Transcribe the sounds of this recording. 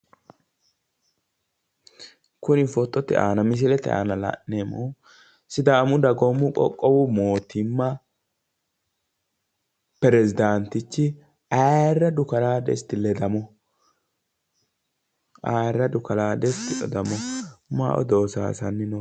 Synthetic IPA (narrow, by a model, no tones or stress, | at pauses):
kʊnɪfɔt̪ʼːɔt̪ːɪ̰a̰ːnɐmɪs̬ɪlɛt̪ːɛ̰ʔa̰ːnɐlɐ̰nːeːmɔ | sɪd̪aːmʊd̪ɐɡɔmːʊkʼɔ̰kʼːɔwʊmo̞ːt̪ɪmːɐ | pɛɾɛzɪd̪ant̪ːɪt͡ʃːɪ | ɐrːɐd̪ʊkɐlaːd̪ɛ̰st̪ːɪlɛd̪ɐmɔ | ʔarːɐd̪ʊkɐlaːd̪ɛst̪ːɪʔɔ̰d̪ɐmɔma̰ːʔɔ̰d̪o̞ːsa̰ːsɐnːɪno